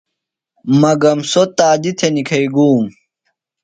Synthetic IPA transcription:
mɐɡɐmsot̪aːd̪it̪ʰenikʰɐiɡuːm

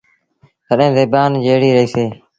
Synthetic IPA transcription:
kəɗẽːzeːbaːnd͡ʒeːɽiːɾəɦiːseː

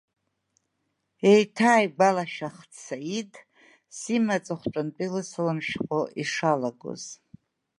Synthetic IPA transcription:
ejtʰaːjɡʷalaʃaχt͡sʰaitʰʼ | simat͡sʼaχʷʈ͡ʂʷʼant͡pʼilɨsɨlɨmʃqʼoʔiʂalaɡo̰z̥

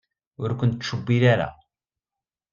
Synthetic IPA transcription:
ʊɾkʷːʊnt̪ːʃəbːilaɾa̰

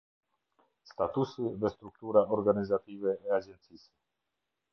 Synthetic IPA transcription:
st̪at̪usiðɛst̪ɾuk̚t̪uɾaɔɾɡanizat̪ivɛːad͡ʒɛnt̪sis

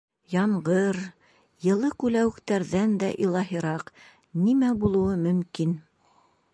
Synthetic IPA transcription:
jɑɴʁɤɾ | jɤ̆lˠɤkʉlæwɘ̆kt̪æɾðænd̪æʔilˠɑɦiɾɑq | nimæbulˠɤ̆wɤmɵ̆mkin

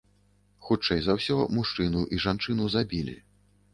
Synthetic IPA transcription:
xut͡ʂɛjzawsʲɔmuʂt͡ʂɨnuʔiʐant͡ʂɨnuzabʲilʲḭ

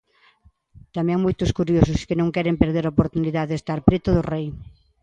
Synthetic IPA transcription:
t̪amẽŋmojt̪ʊskuɾjosʊskɪnõŋkɛɾempeɾðeɾaopoɾt̪uniðaðest̪aɾpɾet̪ʊðʊrej

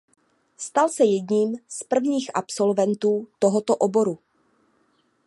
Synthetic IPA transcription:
st̪alsɛjɛdɲiːmspr̩vɲiːxʔapso̞lvɛnt̪uːt̪oɦot̪oʔobo̞ɾu

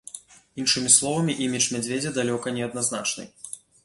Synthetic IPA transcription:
inʂɨmʲislˠɔvɐmʲiʔimʲit͡ʂmʲad͡zʲvʲed͡zʲɛd̪alʲɔkɐnʲɛɐd̪nazna̰t͡ʂnɨ̰j

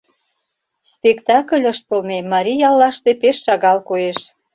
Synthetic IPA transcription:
spekt̪ɑkəlʲəʃt̪ə̆lmemɑɾʲijɑlːɑʃt̪epeʃːɑɣɑlkoeʃ

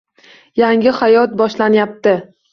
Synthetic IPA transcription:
jaŋʲɪhajɒt̪̚bɒʃlanjap̚t̪ɪ

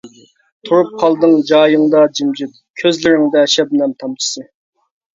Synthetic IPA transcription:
t̪ʰuɾup̚qʰɑlˠd̪ɨŋd͡ʒɑːjɨŋd̪ɑd͡ʒimd͡ʒid̪ | kʲʰøzlɪɾɪŋd̪ɛʃɛb̚nɛmt̪ʰɑmt͡ʃ̪ʰɨ̥sɨ

